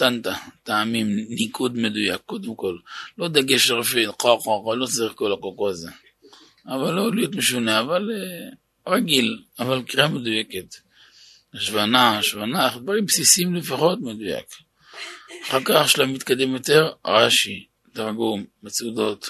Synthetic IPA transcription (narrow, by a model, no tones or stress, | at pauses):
t̪ant̪at̪aːmimnikʰud̪med̪uja̰kːo̞d̪emko̞llo̞d̪aɡeʃeʁfitqoqoqalo̞t͡saʁiχkolakoqoaze | avalːolijot̪meʃuneavale | ʁaɡilavalkiʁamed̪ujeket̪ | aʃvanaʃvanaχd̪vaʁimpsisiimlefaχo̞t̪med̪uja̰k | aχaʁkaχʃlamit̪kad̪emjo̞t̪e̞ʁʁaʃi | t̪aʁɡumːet͡sud̪o̞t̪